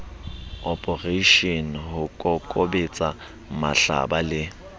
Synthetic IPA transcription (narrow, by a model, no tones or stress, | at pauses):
ɔpʰʼɔreʃɔnɦʊkʼɔkʼobet͡sʼa | ma̰ɬa̰balɪ